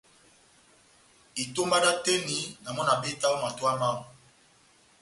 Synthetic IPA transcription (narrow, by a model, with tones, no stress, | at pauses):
i˨to˦ma˦da˦te˦ni˨na˨mɔ˦na˨be˦ta˦o˦ma˨twa˦ma˦˨